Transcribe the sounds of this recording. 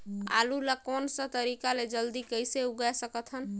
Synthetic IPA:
a̰lulakonsə̃t̪əɾikaled͡ʒəld̪ikəjseuɡɛsəkət̪ʰɦən

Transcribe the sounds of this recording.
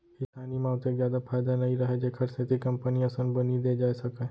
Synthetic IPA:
kɪsaːnimãːʊt̪ekzjaːd̪afʰaːjd̪anɐĩɾɐɦed͡ʒeːkʰɐɾsẽt̪ʰikɐmpəniɐsə̃nbənid̪ed͡ʒaːesɐke

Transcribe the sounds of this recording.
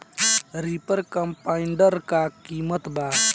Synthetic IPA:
ɾipəɾkəmpaiɳɖəɾkakiːmət̪ba

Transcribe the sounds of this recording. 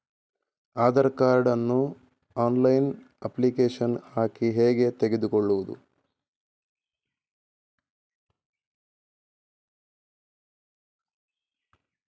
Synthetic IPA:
aːd̪ɐɾkaːɾɖɐnːu | aːnlɐjn | ɐplikeːʂɐnhaːkiɦeːɡe̞t̪eɡe̞d̪ukoɭːuʋud̪ṵ

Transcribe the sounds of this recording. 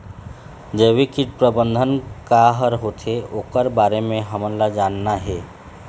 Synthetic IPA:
d͡ʒeːʋikiʈpɾəbə̃nd̪ʱənkaɦəɾɦot̪ʰeoːkəɾbaːɾemẽɦəmənlad͡ʒaːnːaɦɛ

